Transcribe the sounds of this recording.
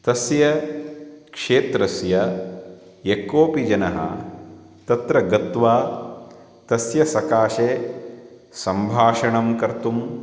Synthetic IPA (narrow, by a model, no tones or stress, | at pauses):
t̪ɐsjɐ | kʂeːt̪ɾɐsjɐ | jekːoːpid͡ʒɐnɐɦɐ̰ | t̪ɐt̪ɾɐɡɐt̪ʋaː | t̪ɐsjɐsɐkaːʃeː | sɐmbʱaːʃɐɳɐmkɐɾt̪um